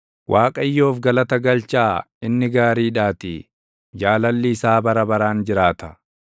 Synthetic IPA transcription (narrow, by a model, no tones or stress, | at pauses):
wʔaːkʼɐjːo̞ːfɡɐlɐt̪ɐɡɐlt͡ʃaː | ɪnːɪɡaːɾiːᶑaːt̪ɪ | d͡ʒaːlɐlːɪːsaːbɐɾɐbɐɾaːnd͡ʒɪɾaːt̪ɐ